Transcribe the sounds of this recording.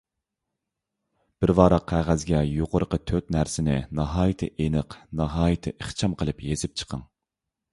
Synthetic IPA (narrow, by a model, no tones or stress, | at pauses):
b̥ɪɾvɑːɾɑqʰːæʁæzɡʲɛjoqʊɾəqət̪ʰøt̪næɾsɪnɪ̰nɑɦɑːjɨt̪ʰɨ̰ʔenɨqnɑɦɑːjɨt̪ʰɨʔeχt͡ʃʰɑmqʰəlˠɨpjezɪp̚t͡ʃʰə̥qʰəŋ